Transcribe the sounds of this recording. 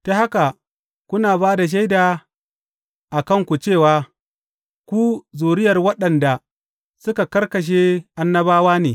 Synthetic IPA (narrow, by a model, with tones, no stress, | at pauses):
ta˦ha˦ka˨ | kʷʊ˦naː˨baː˦da˨ʃ̬a˦jdaː˨ | ʔa˨kɐ˦ŋkʷu˨t͡ʃeː˦˨waː˨ | kʷu˦zuː˨ɾɪ˦jɐ˨rwɐ˦ɗɐ˨nda˨ | sʊ˦ka˨kɐ˦rkɐ˨ʃ̬eː˦ʔa˦nːɐ˦baː˦waː˦neː˨